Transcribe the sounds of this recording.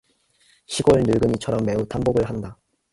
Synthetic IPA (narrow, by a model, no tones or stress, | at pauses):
ɕʰiɡoɭnuɭɡɯɲit͡ɕʰʌɾʌmːe̞utamboɡɯɭɦanda